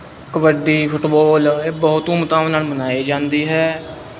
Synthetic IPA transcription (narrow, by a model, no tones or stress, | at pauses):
kəbəɖiːpʰʊʈbɔːleːbɔʊt̪ũːmʊt̪aːʋnaːlmənaːiːd͡ʒãːnd̪iːɦɛː